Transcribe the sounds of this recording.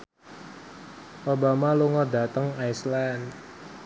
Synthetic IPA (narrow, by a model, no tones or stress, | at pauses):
ʔobamaluŋɔda̤t̪əŋajsland̪